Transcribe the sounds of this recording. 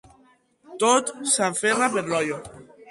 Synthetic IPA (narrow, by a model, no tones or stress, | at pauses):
t̪ot̪saɱferapeɾlɔjo